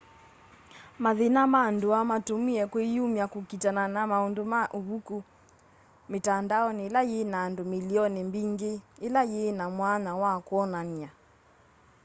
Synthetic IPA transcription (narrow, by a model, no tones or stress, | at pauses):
maðenamandoamatomiɛkweiumjakokitananamaondomaʔoβuku | metandaɔneːlajenaːndomiliɔnɛmbiŋɡeːlajenamwanawakwɔnania